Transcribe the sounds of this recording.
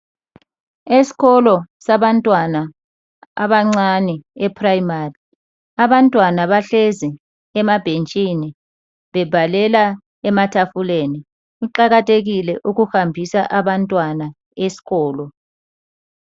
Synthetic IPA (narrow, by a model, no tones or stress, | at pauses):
esi̥ɣɔlɔsaβantʼwana | a̰βaŋ͡ǀaniɛpʰrajimari | aβantʼwanaβaɬezi | ɛmab̥ʱent͡ʃʼini | βɛb̥ʱalɛla | ɛmatʰafuleni | iǃaɣatʼʰeɣilɛʔuɣuhambʱisaʔaβantʼwana | esi̥ɣɔːlɔ